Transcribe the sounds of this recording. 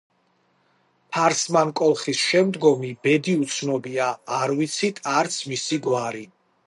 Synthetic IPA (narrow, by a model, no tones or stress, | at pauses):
pʰaɾsmankʼɔlˠχisʃɛmd̪ɡɔmibɛd̪iut̪sʰnɔbiaːɾvit̪sʰit̪ʰaɾt̪sʰmisiɡwaɾi